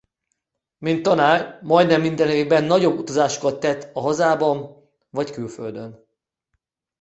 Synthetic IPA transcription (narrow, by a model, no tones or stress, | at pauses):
mint̪ːɒnaːrmɒjd̪nɛmːind̪ɛnɦeːɡbɛnːɒɟo̞bːut̪ɒzaːʃo̥kɒt̪ːɛt̪ːɒɦɒzaːbɒn | vɒckylfø̰ld̪ø̞n